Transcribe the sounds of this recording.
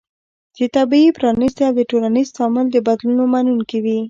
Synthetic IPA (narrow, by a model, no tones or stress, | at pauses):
d̪̥ət̪abiipɾɑnist̪eawd̪əʈolanizt̪ɑmɪld̪əbad̪lunomanunkewi